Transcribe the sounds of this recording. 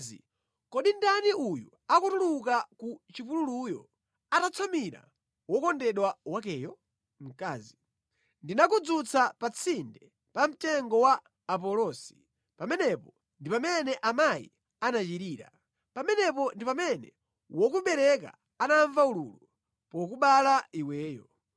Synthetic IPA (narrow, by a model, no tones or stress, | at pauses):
ḭ | kɔɗindaniuju | akutulukakut͡ʃipululujɔ̰ | atat͡sʰamiɾa̰ | wɔkɔndɛɗwawak̬ɛjɔ | m̩kaːzi | ndinakud͡zut͡sʰapat͡sʰindɛ | pam̩tɛŋɡɔwaː | p̬ɔlɔsi̥ | pamɛnɛpɔ | ndipamɛnɛʔamaḭ | anat͡ʃiɾiːɾa̰ | pamɛnɛp̬ɔndipamɛnɛ̰ | wɔk̬uɓɛɾɛka̰ː | naɱvaululu | pɔk̬uɓalaiwɛːjɔ